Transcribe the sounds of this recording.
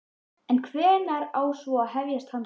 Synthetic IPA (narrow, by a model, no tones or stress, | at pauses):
ɛnkʰvɛːɾnaɾaːwsvɔaðɦɛvjast̪han